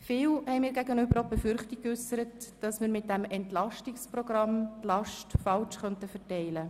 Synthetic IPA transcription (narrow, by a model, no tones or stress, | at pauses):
fɪːlhɛɪmiːɾɡæɡənʏbəɾobefʏɾχtɪk̚kːʏsəɾətd̥ɑsmɪːɾmɪt̚d̥ɛmɛntlɑʃtɪksprɔɡ̥ɾɑmtlɑʃtfɑlt͡ʃχœntəfɛtɛɪlə